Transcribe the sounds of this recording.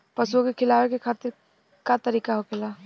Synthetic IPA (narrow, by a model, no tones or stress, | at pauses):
pɐsuõkekʰɪlaːwekekʰaːt̪ɪɾ | kat̪ɐɾiːkaɦokʰɪlaː